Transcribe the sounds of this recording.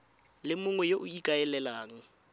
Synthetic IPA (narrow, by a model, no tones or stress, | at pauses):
lɪmʊŋwɛjoʔʊikʼaɛlɛlaːŋ̩